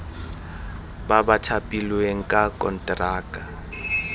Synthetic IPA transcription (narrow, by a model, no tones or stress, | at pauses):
babatʰapʼilueŋ̩kʼakʼɔ̰ntʼraːkʼa